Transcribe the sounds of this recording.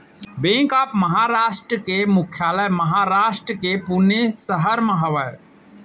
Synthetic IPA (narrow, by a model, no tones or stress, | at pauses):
bẽːkaːpməɦaːɾaːʃʈɾəkemʊkʰjaːləjməɦaɾaːʃʈɾəkepunesəɦəɾməɦaʋəj